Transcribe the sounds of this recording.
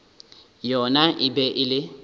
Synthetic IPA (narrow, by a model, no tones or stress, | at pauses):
jɔnaʔɪbɛʔɪlɪ